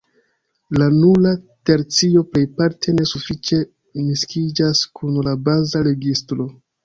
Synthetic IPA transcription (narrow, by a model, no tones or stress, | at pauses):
lanulate̞ɾt͡sio̞ple̞jpaɾtʰe̞ne̞sufit͡ʃe̞ | miskid͡ʒaskunlabazaɾe̞ɡistɾo̞